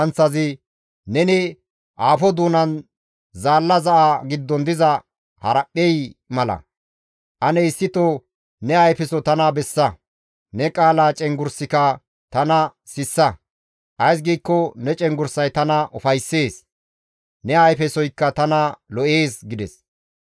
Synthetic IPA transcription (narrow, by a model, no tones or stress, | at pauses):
ɐnt͡sːɐzɪ | nɛnɪ | ʔaːfɔd̪uːnɐn | zaːlːɐzɐʔaɡɪd̪ːɔnd̪ɪzɐ | hɐ̰ɾɐpʼːɛjmɐlɐ̰ | ʔɐnɛɪsːɪt̪ɔ | nɛɐjfɛsɔt̪ɐnɐbɛsːɐ | nɛkʼaːlaːt͡ʃʼɛŋɡʊɾsɪkɐ | t̪ɐnɐ | sɪsːɐ | ʔɐjs̬ɡiːkːɔnɛt͡ʃʼɛŋɡʊɾsɐjt̪ɐnɐʔɔfɐjsːe̞ːs | nɛɐjfɛsɔjkːɐt̪ɐnɐlɔʔe̞ːsɡɪd̪ɛs